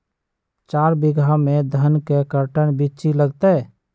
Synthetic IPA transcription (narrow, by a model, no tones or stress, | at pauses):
t͡ʃaɾbiɡʱamed̪ʱənkekəɾʈənbit͡ʃiləɡt̪ɛ